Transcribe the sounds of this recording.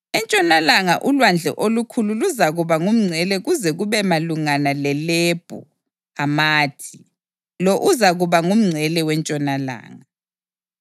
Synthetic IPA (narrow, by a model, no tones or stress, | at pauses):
ɛnt͡ʃʼɔnalaŋaʔulwand͡ɮʱɛ̰ʔolukʰululuzaɣuβaŋum̩ŋ͡ǀʱɛlɛɣuzɛɣuβɛmaluŋanalɛleb̥ʱṵ | amaːtʰi | loʔuzaɣuβaŋum̩ŋ͡ǀʱɛlɛwɛnt͡ʃʼɔnala̰ːŋa